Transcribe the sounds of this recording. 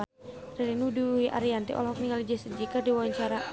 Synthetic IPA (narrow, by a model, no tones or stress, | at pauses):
rɛlinuduiʔa̰ɾiant̪iʔɔ̰lɦɔk̚niŋalid͡ʒɛsəd͡ʒikərdiwawaɲt͡ʃaɾa